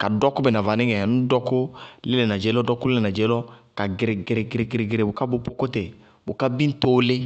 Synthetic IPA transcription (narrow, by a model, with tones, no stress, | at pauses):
ka˨dɔ˦ko˦be˨na˨va˨nĩ˦ɡɛ˨nũ˦dɔ˦ko˦le˦le˨na˨d͡ʒe˨˦lɔ˦dɔ˦ko˦le˦le˨na˨d͡ʒe˨˦lɔ˦ka˨ɡe˨ɾe˨ɡe˨ɾe˨ɡe˨ɾe˨ɡe˨ɾe˨ɡe˨ɾe˨bo˨ka˦bo˨˦po˦ko˦te˨ | bo˨ka˦bĩ˦n˦to˦le˦